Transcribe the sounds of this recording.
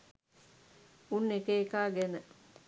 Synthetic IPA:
unːekeːkaːɡɛnə

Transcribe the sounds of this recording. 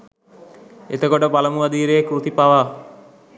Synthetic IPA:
ḛt̪əkoʈəpalɐmuʋɐd̪iːɾeːkɾut̪ipaʋaː

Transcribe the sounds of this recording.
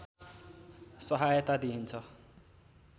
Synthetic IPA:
sʌɦajt̪ad̪iɦint͡sʰʌ

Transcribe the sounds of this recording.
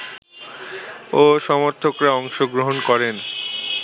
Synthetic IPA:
oʃɔmoɾt̪ʰokɾaɔŋʃoɡɾoɦonkɔɾen

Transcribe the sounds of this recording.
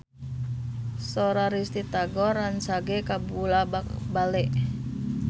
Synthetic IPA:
soɾaɾist̪it̪aɡɔɾansaɡekabulaabalɛʔ

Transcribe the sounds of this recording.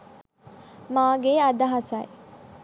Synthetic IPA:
maːɡeːɐd̪ɐɦɐsaje

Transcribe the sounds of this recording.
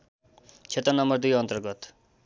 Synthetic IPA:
t͡ʃʰet̪ɾənʌmbʌɾd̪ujʌnt̪əɾɡʌt̪

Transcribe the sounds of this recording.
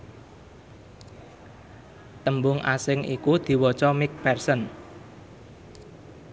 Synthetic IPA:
t̪əmbʊŋʔasɪŋikud̪̥i̤wɔt͡ʃɔmɪk̚pɛrsən

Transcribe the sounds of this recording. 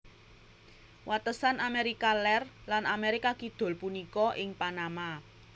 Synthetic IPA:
wat̪əsanameɾikalɛrlanameɾikakid̪̥o̤lpunikɔʔɪŋpanama

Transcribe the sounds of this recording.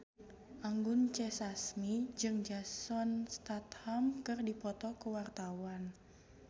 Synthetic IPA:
ʔaŋɡʊnt͡ʃɛsasmid͡ʒɨŋd͡ʒasɔnst̪at̪hamkɨrdipɔt̪ɔkəwart̪awan

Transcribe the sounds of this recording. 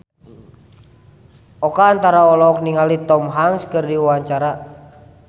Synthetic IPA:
ɔkaːnt̪aɾaɔlɔk̚niŋalit̪ɔmɦaŋskərdiwaɲt͡ʃaɾa

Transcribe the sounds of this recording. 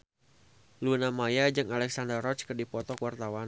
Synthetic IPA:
lunamajad͡ʒɨŋalɛk̚sandərɔt͡ʃkərdipɔt̪ɔkwart̪awan

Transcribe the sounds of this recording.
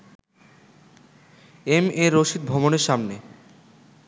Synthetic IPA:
emeɾoʃid̪̚bʱɔboneɾʃamne

